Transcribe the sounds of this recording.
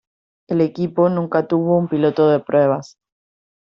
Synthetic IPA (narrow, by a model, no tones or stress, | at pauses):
e̞le̞kipo̞nũŋkat̪uβ̞o̞umpilo̞t̪o̞ðe̞pɾwe̞β̞as